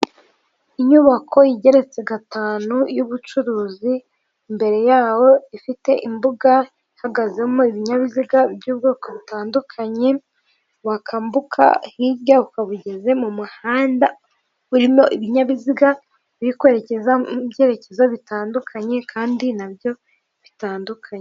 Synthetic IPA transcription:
iɲuβakʰo̞jiɟe̞ɾe̞t͡se̞ɡataːnujuβut͡ʃuɾuːzi | mbe̞ɾe̞jaːwo̞ifite̞ʔimbuɡa | ihaɡaze̞mo̞iβiɲaβiziɡabjuːb̚ɡoːkoβitaːndukʰaɲe̞ | βakʰambukʰa̰hiːɾjaβukaβuɟe̞ze̞mumuhaːnda | uɾimo̞ʔiβiɲaβiziɡa | βiɾikwe̞ːɾece̞zabje̞ːɾe̞ce̞zaβitaːndukʰaɲe̞kʰaːndinabjo̞ | βitaːndukʰaɲe

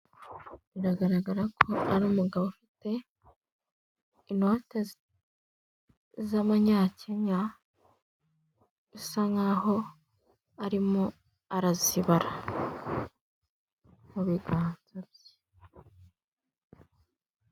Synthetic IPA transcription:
βiɾaɡaɾaɡaɾakʰo̞aɾuːmuɡaβofite̞ | inote | zamaɲaːceɲa | isaŋɡaho̞ | aɾimo | aɾaziβaɾa | muβiɡaːnzabje̥

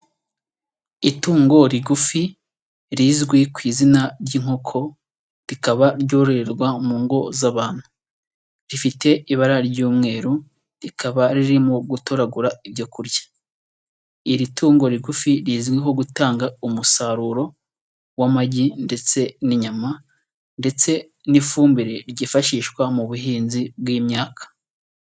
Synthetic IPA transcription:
ituːŋɡo̞ɾiɡufi | ɾizɡwikwiːzinaɾɟiːŋ̥ho̞kʰo̞ | ɾikaβaɾɟo̞ːɾoɾeɾɡwamuːŋɡo̞zaβaːn̥hu̥ | ɾifite̞iβaɾaɾɟuːmŋe̞ːɾu | ɾikʰaβaɾiɾimoɡutoɾaɡuɾaibɟo̞kuɾɟḁ | iɾitʰuːŋɡo̞ɾiɡufiɾiːzɡweɦo̞ɡutaːŋɡaumusaɾuːɾo̞ | wamaɟinde̞t͡se̞niɲama | nde̞t͡se̞ | nifuːmbiɾeɾɟifaʃiːʃkwamuβuɦiːnzibwiːmɲaːkḁ

